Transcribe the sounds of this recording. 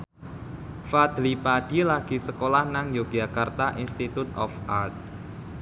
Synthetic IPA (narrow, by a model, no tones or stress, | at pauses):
fad̪̥lipad̥ilaɡ̥i̤səkolahnaŋjoɡ̥d͡ʒakart̪aʔinst̪it̪ut̪ɔ̰fart̪̚